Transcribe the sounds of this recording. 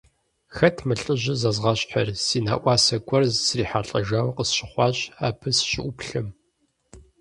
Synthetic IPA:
xɐtʰmɨɬʼɨʑɪzɐzʁɐɕʼħɐrsiːna̰ːʔʷɑːsɐɡʷʼɔrzsriːħaːɬʼɐʒawqəsɕɪχʷɑːɕʼaːpʰɨsɕɪʔʷʊpɬɨm

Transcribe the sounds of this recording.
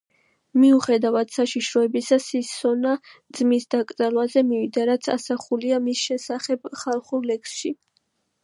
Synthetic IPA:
miuχɛd̪avad̪̥saʃiʃɾɔɛbisasisɔnad̪zmisd̪akʼd̪zʼalˠvazɛmivid̪aɾat̪sʰa̰saχuliamisʃɛsaχɛb̥χalˠχuɾlɛksʃi

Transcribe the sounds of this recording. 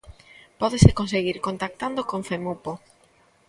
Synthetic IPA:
pɔðesekonseɣiɾkont̪ak̚t̪and̪okoɱfemupo

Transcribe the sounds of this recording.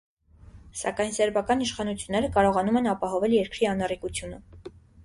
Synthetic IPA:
sɑ̰kɑjnsɛɾbɑkɑniʃχɑnut͡sʰjunːɛɾəkɑɾɔʁɑnumɛnɑpɑɦɔvɛljɛɾkɾiɑnɑrikut͡sʰjunə

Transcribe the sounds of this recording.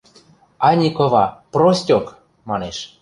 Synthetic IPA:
ɑnʲikovɑprosʲtʲok | mɑneʃ

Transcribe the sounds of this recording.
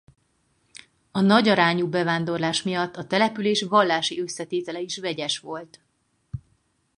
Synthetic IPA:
ɒnɒɟɒɾaːɲubɛvaːnd̪o̞rlaːʃmijɒt̪ːɒt̪ɛlɛpyleːʃʋɒlːaːʃiøsːɛt̪eːt̪ɛlɛiʃvɛɟɛʃʋo̞lt̪

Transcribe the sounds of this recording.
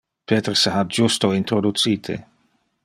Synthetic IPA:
pʰeːt̪ɾseɦad͡ʒust̪oint̪ɾod̪ut̪siːt̪ʰḛ

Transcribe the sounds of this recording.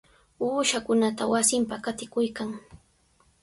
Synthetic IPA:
uːʃakʊnat̪awasɪmpakat̪ɪkʊjkaŋ

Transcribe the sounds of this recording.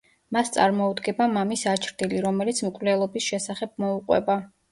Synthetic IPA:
mast̪sʼa̰ɾmɔud̪ɡɛbamamisat͡ʃʰɾd̪iliɾɔmɛlit̪sʰmkʼvlɛlˠɔbisʃɛsaχɛb̥̚mɔuqʼwɛ̰ba

